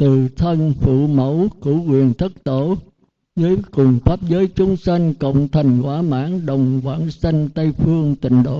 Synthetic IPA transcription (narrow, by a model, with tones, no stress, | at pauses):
t̪ɨ˨˩t̪ʰə˧nfṵ˧˨mə˧˥wku˧˥kwḭ˧˨ənt̪ʰə˦˥t̚t̪o˧˩ | zəː˨˦ku˨˩ŋ͡mfaː˦˥p̚zəː˨˦jt͡ɕʊ˨˦ŋ͡msa˧ŋ̟kə̰˧˨wŋ͡mt̪ʰə˨˩ŋ̟kwaː˧˩ma̰ː˧˥nɗə˨˩wŋ͡mkwa̰ː˧˥nsa˧ŋ̟t̪ə˧jfɨ˧əŋt̪ï˨˩ŋ̟ɗo̰˧˨